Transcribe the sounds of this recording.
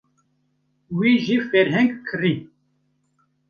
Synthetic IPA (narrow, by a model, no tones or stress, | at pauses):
wiːʒifɛɾɦɛŋɡkʰɨri